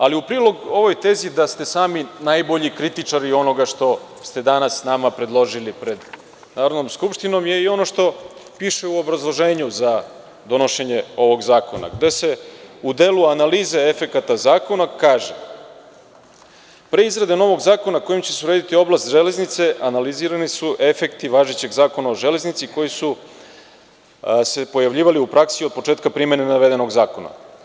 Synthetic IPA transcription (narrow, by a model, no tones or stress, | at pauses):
aliupɾiːlˠo̞ɡo̞ʋo̞jt̪e̞zid̪ast̪e̞saːminajbo̞ʎikɾit̪it͡ʂaɾio̞no̞ɡaʂt̪o̞ | st̪e̞d̪anasːnamapɾe̞d̪lˠo̞ʒilipɾe̞d̪ | naːɾod̪nomskupʃt̪ino̞mje̞io̞no̞ʃt̪o̞piːʃeuo̞bɾazlˠo̞ʒe̞ːɲuza | d̪o̞no̞ʃe̞ɲe̞o̞ʋo̞ɡzaːko̞̰na̰ɡd̪e̞se̞ud̪e̞ːluanaliːzeefe̞kat̪azaːko̞nakaːʒe | pɾe̞izɾad̪e̞no̞ʋo̞ɡzaːko̞nako̞jimt͡ɕesuɾeːd̪it̪io̞blast̪ʒele̞znit̪se̞ʔanaliziɾanisuʔe̞fe̞kt̪iʋaːʒet͡ɕe̞ɡzaːko̞naoʒe̞le̞znit̪siko̞jisu | se̞po̞jaʋʎiːʋaliupɾaksio̞d̪̚po̞t͡ʂeːt̪kapɾime̞nenaʋe̞d̪e̞no̞ɡzaːko̞na̰